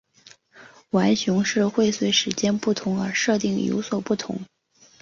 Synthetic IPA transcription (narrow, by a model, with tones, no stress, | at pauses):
wa˧˥ɪɕʊ˧˥ŋʂɻ̩˥˧xwe˥˩ɪswe˧˥ɪʂɻ̩˧˥t͡ɕjɛ˥npu˥˩t̪ʰʊ˧˥ŋə̰˞˧˥ʂɤ˥˧t̪i˥˩ŋjo̰˧˥ʊswɔ˨˩pu˥˩t̪ʰʊ̰˧˥ŋ